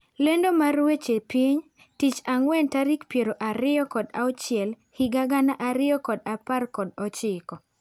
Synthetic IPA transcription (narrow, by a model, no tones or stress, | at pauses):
lendomarwet͡ʃepiɲ | tit͡ʃaŋwɛntaɾikpjeɾoʔaɾɪɔkɔdaɔt͡ʃɪɛl | hɪɡaɡanaʔaɾɪɔkɔdaparkɔdɔt͡ʃɪkɔ